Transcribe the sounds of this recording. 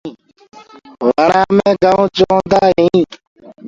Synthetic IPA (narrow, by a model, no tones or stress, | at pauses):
ʋəɳãːmẽːɡəõːt͡ʃõːnd̪aːɦĩː